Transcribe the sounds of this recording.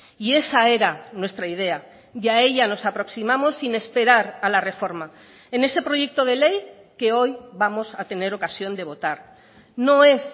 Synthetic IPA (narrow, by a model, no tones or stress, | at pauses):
ie̞sae̞ɾanwe̞st̪ɾaiðe̞a | ʝae̞ʎano̞sapɾo̞ksimamo̞sːine̞spe̞ɾaɾalare̞fo̞ɾma | ene̞se̞pɾo̞ʝe̞k̚t̪o̞ð̞e̞le̞j | ke̞o̞jβamo̞sat̪e̞ne̞ɾo̞kasjo̞nd̪e̞β̞o̞t̪aɾ | no̞e̞s